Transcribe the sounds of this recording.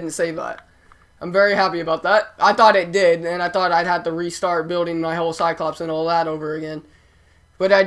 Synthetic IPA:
dⁿn̩tseɪvʌ̰t̚ | ʔãɪ̃ɱvɛɹiɦæpiɨbaʊt̪̚ðæt̚ʔaɪθɔɾɪt̚d̥ɪdɨ̃naɪθɔɾaɪd̚hɨd̚tɨɹistɑɹt̚b̥ɪlˠdɪ̃ŋmaɪɦoʊlˠsaɪd̚kʰl̥ɑpsɨ̃nɔlˠðæɾoʊvə˞ɨɡɛ̃n | b̥ʌɾaɪ

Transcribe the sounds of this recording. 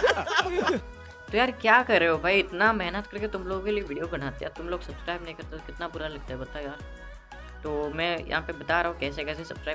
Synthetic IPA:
t̪ojaːɾkjaːkɐɾːeɦeɦobʱaiɪt̪namɛɦnət̪kɐɾket̪ʊmloːɡõkelieʋiːɖijobɐɽ̤̃aːt̪ḛa̰t̪ʊmloːɡsɐbskɾaːɪbnɐɦĩkɐɾt̪at̪okɪt̪nabʊɾalɐɡ̚t̪aɦɛbɐɾt̪ajaːɾ | t̪oːmɛ̃ːjɐ̰ɦãpebɐt̪aɾɐɦũkɛːsekɛːs̬esɐb̥skɾaː

